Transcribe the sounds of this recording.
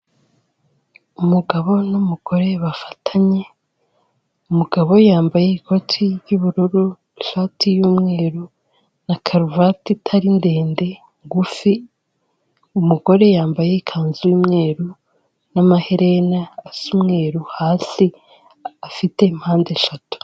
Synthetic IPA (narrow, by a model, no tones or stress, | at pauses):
umuɡaβo̞numuɡ̥o̞ɾe̞βafḁtʰaɲe̞ | umuɡ̥aβo̞jaːmbajeikʰo̞tʰijjuβuɾuɾu | ʃaːtʰijuːmŋe̞ːɾu | nakʰaɾuvatitʰaɾinde̞ːnde̞ | ŋɡufi | umuɡo̞ɾe̞jaːmbaje̞ikʰaːnzujuːmŋe̞ːɾu | namaheɾʔe̞naːsumŋe̞ːɾuhaːsi | afite̞m̥haːndeʃatu̥